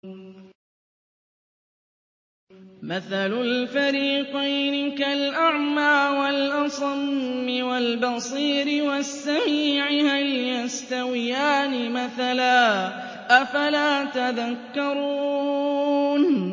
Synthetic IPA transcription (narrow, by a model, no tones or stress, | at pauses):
maθalʊlfaɾiːqɑjnɪkalʔaʕmaːwalʔɑsˤɑmːɪwalbɑsˤiːɾɪwasːamiːʕɪhaljast̪awɪjaːnɪmaθalaː | ʔafalaːt̪aðakːɑɾˤuː | n